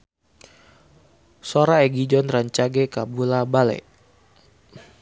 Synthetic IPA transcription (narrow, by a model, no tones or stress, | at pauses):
soɾaɛɡid͡ʒɔnraɲt͡ʃaɡɛkabulabalɛ̰